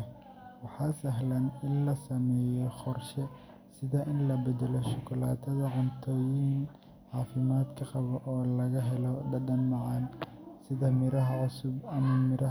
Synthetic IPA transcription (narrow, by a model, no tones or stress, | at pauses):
wɑħɑːsɐɦlɐnɪnlɐsɐmɛːjɔqɔrʃɛ | sɪðɐʔɪnlɐbɛd̪ɛlɔʃʊkʰʊlaːt̪ʰɐðɐʕʊnt̪ʰɔːjinn | ʕɑːfɪmaːd̪kʰɐqɑβɔʔɔːlɐɣɐɦɛlɔɖɐɖɐnmɑʕɑnsɪðɐmɪɾɐɦɐʕʊsʊbɐmɐmɪɾɐ